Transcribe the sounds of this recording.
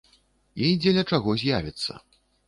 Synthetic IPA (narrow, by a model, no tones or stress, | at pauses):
id͡zʲɛlʲɐt͡ʂaɣɔzʲjavʲit̪sːɐ̰